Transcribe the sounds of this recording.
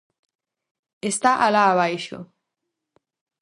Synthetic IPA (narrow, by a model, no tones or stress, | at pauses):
est̪aʔalaːβajʃo̰